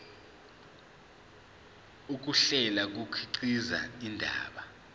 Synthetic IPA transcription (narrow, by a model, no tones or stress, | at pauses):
uk̬uɬɛlak̬ukʰiǀiza̰indʱa̰ːɓa